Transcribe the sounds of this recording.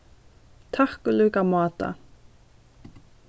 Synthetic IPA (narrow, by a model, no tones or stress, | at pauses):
t̪ʰahkʏlʏːkamɑːt̪a̰